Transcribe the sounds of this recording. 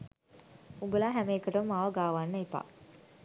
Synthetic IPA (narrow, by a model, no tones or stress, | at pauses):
uŋɡəlaːɦæmeːkəʈɐmːaʋɐɡaːʋanːɐipa̰ː